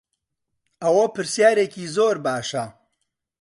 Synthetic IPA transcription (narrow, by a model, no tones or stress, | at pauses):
ɐwɐpɨɾsjaːɾeːciːzoːɾbaːʃɐ